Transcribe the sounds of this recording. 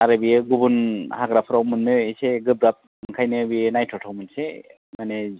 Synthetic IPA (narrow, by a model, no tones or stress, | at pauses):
aɾabijeɡubunhaɡɾapʰɯɾawmɯnːɯiseɡɯbɾap̚mɯŋkʰajnɯbinajtʰɔtʰawmɯnse | mane